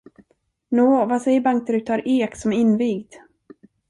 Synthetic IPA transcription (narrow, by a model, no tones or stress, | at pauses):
noːvasɛjːəɾbaŋk̚t̪əɾʉt̪ʰɑːɾʔeːksɔmɪnviːɡd̪